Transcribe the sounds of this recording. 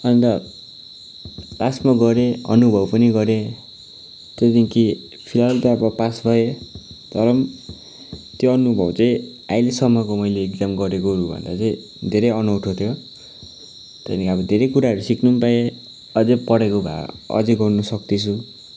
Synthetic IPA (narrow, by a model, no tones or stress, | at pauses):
ʌnit̪a | lasmʌɡʌɾeʌ̰nubʱʌbpʌniɡʌɾe | t̪ʌt̪ĩki | pʰilalt̪aʌbʌpasbʱʌed̪̥ʱʌɾʌm | t̪joʌnubʱʌbt͡saĩ | ajlesʌmːʌkomʌjleːkd͡zamɡʌɾekoɾubʱʌ̰nd̪at͡saĩ | d̪ʱeɾeʌnʌwʈʰot̪ʰjo | t̪ʌnikaʌbʌd̪ʱeɾejkuɾaɦʌɾusiknumpae | ʌd͡zepʌɽekobʱa̰ʌ̰d͡zeɡʌrnʌsʌk̚t̪it͡sʰu